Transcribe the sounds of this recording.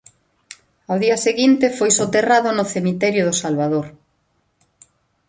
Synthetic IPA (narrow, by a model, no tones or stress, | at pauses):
awðiɐseɣint̪ɪfojsot̪eraðʊnʊθemit̪ɛɾjʊðʊsalβaðoɾ